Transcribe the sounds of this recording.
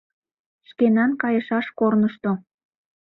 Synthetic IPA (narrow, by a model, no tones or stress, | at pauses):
ʃkenɑnkɑjəʃɑʃkornəʃt̪o